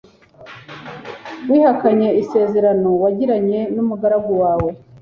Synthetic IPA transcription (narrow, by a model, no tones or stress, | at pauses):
wiːhakaɲe̞ise̞ːze̞ɾano̞waɟiɾaɲe̞numuɡaɾaɡowaːwe̞